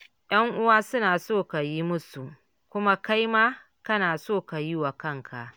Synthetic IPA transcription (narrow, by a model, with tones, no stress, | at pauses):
j̰ɐ˦ŋʔʊ˦waː˦sʊ˦naː˨soː˦˨ka˨ji˦mʊ˦su˨ | kʷʊ˦ma˦ka˦jmaː˦ | kɐ˦naː˨soː˦˨ka˨jɪ˦wa˨kɐ˦ŋkʰa˨ʔ